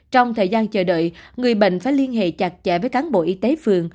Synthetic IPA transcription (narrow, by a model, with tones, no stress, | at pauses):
t͡ɕɔ˧wŋ͡mt̪ʰəː˨˩jzaː˧nt͡ɕəː˧˩ɗə̰ː˧˨jŋɨ˨˩əjɓḛ˧˨ŋ̟faː˧˩˦jli˧ənɦḛ˧˨t͡ɕaː˨˩t̚t͡ɕɛ̰˧˨vəː˨˦jkaː˨˦nɓo̰˧˨ʔi˧t̪e˨˦fɨ˨˩əŋ